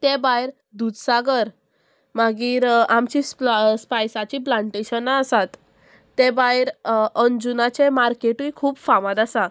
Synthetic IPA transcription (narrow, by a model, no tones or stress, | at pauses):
t̪ẽbajɾ | d̪ud̪saɡəɾ | maɡiːɾamt͡ɕisspajsat͡ɕiplãɳʈeɕənːaəsat̪ː | ebaiɾənd͡ʑunat͡ɕemaɾkeʈuikʰuːbfamãd̪asa